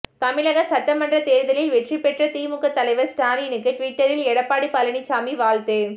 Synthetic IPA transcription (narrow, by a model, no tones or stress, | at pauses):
t̪ɐmɪɭɐɣɐsɐʈːɐmɐndrɐt̪eːɾðɐlɪlʋɛʈripɛʈrɐt̪iːmʊkːɐt̪ːɐlɐɪʋɐɾsʈaːninɯkːɯʈʋɪʈːɐɾɪlɛɽɐpːaːɽipɐlɐɳit͡ʃːaːmiʋaːlt̪ɯ